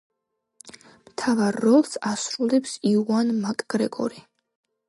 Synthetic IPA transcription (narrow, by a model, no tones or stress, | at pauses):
mt̪ʰavaɾːɔlˠsasɾulɛpsiuanmakʼɡ̥ɾɛɡʼɔ̰ɾi